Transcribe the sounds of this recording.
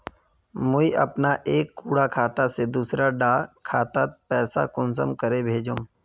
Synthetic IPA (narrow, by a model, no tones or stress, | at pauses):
mʊiʔɐ̰pnaʔeːkːuːɽakʰaːt̪ased̪uːsɾaɖaːkʰaːt̪at̪pɛːsa̰kʊnsə̰mkəɾebʱeːd͡ʒõm